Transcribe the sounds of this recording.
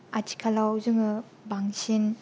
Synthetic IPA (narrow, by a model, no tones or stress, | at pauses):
atʰi̥kʰalawzɯŋɯ | baŋsin